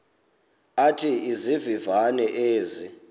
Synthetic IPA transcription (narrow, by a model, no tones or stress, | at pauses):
atʰiizivivanɛʔeːzi